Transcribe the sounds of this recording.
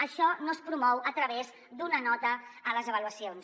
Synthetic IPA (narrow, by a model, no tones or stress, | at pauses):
əʃɔnoəspɾumɔwət̪ɾəβez | d̪unənɔt̪əːləzəβəluəsions